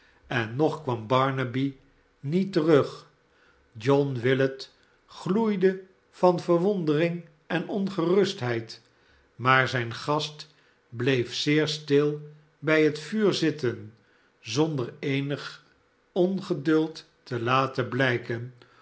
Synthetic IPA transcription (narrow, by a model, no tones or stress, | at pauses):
ɛnːɔχkʋɑmbɑɹnəbi | nitərɵχ | d͡ʒɔnʋɪlət | χlujdə | fɑnvəɹʋɔndərɪŋ | ɛnɔnχərɵstɦɛjt | maːɹzɛjnχɑst | blejfsɪːɹstɪlˠ | bɛjɦətfyːɹzɪtən | zɔndəɹeɪnəχ | ɔnχədɵlˠtː | əlaːtəblɛjkən